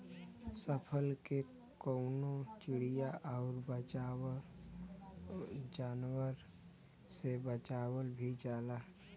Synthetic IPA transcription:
səpʰəlkekoʊnot͡ʃɪɽijaʔɔʊɾbəa | d͡ʒaːnwəɾ | sebət͡ʃaːwəlbʱid͡ʒaːlaː

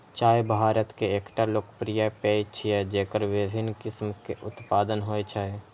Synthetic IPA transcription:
t͡ʃaːebʱaːɾət̪keeːkʈaloːkə̥pɾijapeːit͡ʃʰiɛd͡ʒeːkəɾʋɪd̪ʱɪnkɪsmkeʔʊt̪paːd̪ənɦoet͡ʃʰae

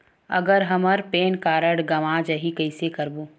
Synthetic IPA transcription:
ə̰ɡəɾɦɐməɾpeːnkaːɾəɽɡɐmad͡ʒəɦikəɪsekəɾboː

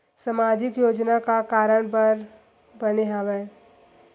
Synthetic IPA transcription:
səmaːd͡ʒɪkjoːd͡ʒnakakaːɾəɽ̃p̬əɾ | bəneɦaʋẽː

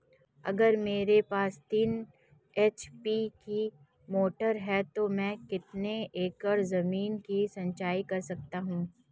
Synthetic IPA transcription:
ɐ̰ɡəɾmeːɾepaːst̪iːn | et͡ʃpiki | moːʈəɾɦɛt̪omɛ̃ːkɪt̪neʔeːkɔɾzɐmiːnkisɐ̃ɲt͡ʃaːikɐɾsɐk̚t̪aɦũː

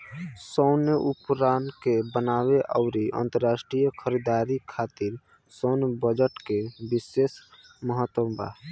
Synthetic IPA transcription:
səʊneʔupɾaːnkebənaweʔaʊɾiʔə̰nt̪əɾːasʈɾijəkʰəɾid̪aɾikʰaːt̪iɾ | sonbəd͡ʒəʈkebiseːs | məɦət̪wəba̰

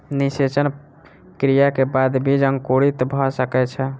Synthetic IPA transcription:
niset͡ʃən | kɾijakebad̪bʱid͡ʒəŋkoɽit̪bʱɔsəkɛt͡ʃʰɛ

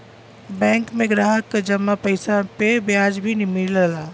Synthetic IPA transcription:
bɛ̃ːŋkmẽɡɾaːɦəkːad͡ʒɐmːapəɪsapebjaːd͡ʒbʱinɪmiləlaː

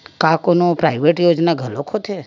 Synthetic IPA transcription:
kakonopɾajʋeʈjod͡ʒnaɡʱəlokʰot̪ʰe

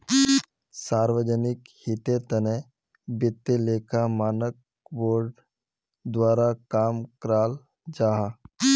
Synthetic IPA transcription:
saːɾʋəd͡ʒənɪkhit̪et̪əne | bɪt̪ːeleːkʰamaːnək̚ | boːɾɖ | d̪ʋaːɾakaːmkɾaːl | d͡ʒaːɦa

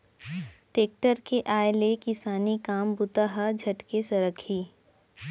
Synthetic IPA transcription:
ʈeːk̚ʈəɾkeʔaːelekɪsaːnikaːmbʊt̪aɦad͡ʒʱɐʈkesɐɾəkʰiː

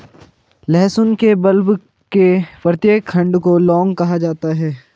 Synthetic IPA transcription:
lɛːsʊnkebɐlb | kepɾət̪jeːkʰːɐ̃ɳɖkolɔːŋɡkɐɦad͡ʒaːt̪aɦɛː

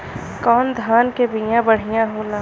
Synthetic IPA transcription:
kɔːnd̪ʱaːnkebijãbəɽ̤ijãɦoːlaː

